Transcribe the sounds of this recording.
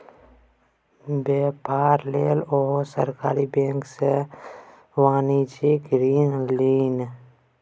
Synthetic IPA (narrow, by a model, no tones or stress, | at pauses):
beːpaːɾleːloːsəɾkaːɾibẽːŋkse | waːnid͡ʒiɡɾiːnliːn